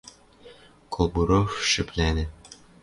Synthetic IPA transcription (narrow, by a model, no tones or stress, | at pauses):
kʰolˠbuɾofʃɘ̆plʲænɘ̆